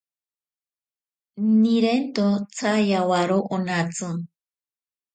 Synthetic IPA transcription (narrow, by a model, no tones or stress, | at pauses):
niɾent̪ot͡sʰajawaɾoʔonat͡sɨ